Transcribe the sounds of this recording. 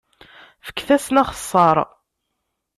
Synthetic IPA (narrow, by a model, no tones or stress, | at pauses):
fə̥kːθæsnæχə̥sˤːɑɾˤ